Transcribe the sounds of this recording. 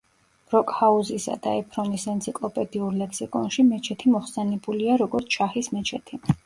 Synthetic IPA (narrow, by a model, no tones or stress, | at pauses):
ɾɔkʼhauzisa̰d̪̥a̰ɛpʰɾɔmisɛnt̪sʰikʼlˠɔpʼɛd̪iuɾlɛksikʼɔ̰nʃimɛt͡ʃʰɛt̪ʰimɔχsɛnɛbuliaɾɔɡɔɾt̪sʰʃʰahismɛt͡ʃʰɛt̪ʰi